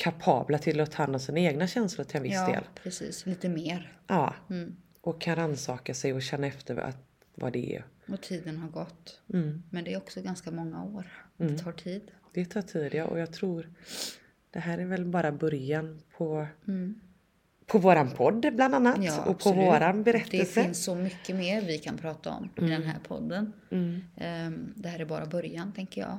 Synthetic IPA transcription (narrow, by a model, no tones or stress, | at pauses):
kʰapʰɑ̰ːblat̪ʰɪlɔt̪ʰɑːɛnːɔsiːnaeːɡnaɕɛnslʊɾʈʰɪlɛnvɪsːd̪ḛːlpʰɾɛsḭːsliːt̪əmeːɾʔɑː | ʔɔkʰːanɾansɑːkasɛjɔɕɛnːaɛft̪ʰəɾa̰t̪ | vɑ̰d̪ɛɛ̰ɔt̪ʰiːd̪ənɦaɾɡɔt̪̩ːmɛnd̪ɛɾɔksɔɡanskamɔŋːa̰oːɾd̪ɛt̪ʰɑːʈʰiːd̪d̪̥ɛt̪ʰɑːʈʰiːd̪ɪaʔɔ̰jɑːɡt̪ʰɾuːɾ | d̪̥ɛɦæːɾæɾvɛlbɑːɾabœɾjanpʰɔ | pʰɔvoːɾanpʰɔd̪ːbland̪anːat̪j̪ɑːɔpʰɔvoːɾanbɛɾɛt̪d̪ɛɛlsfəɪnsːɔmʏkːəmeːɾvɪkʰanpʰɾɑːt̪aɔ̰mɪd̪ɛnɦæ̰ːɾpʰɔ̰d̪ːən̩ | d̪ɛhæːɾæɾbɑːɾabœɾjant̪ʰɛŋkəɾjɑ̰ː